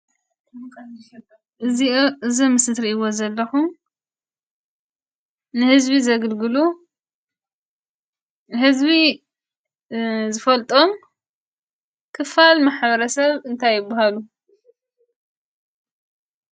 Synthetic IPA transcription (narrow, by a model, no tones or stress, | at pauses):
ʔɨziʔɨzimɨsɨt̪ɾiʔiwozɐlːɐxum | nɨhɨzbizɐɡɨlɡɨlu | hɨzbi | zɨfɐlt̪ʼo̞m | kʰɨfalmaħβɐɾɐsɐβɨnt̪ʰajːɪbːaɦalu